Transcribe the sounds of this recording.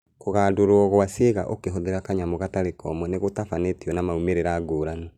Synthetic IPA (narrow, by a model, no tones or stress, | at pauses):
koɣaːdoɾwɔɣwaseɣa̰ʔokeɦoðeɾakaɲamoɣataɾekʰɔ̰mɔneɣotafanetiɔnamaumeɾeɾaːɡoːɾano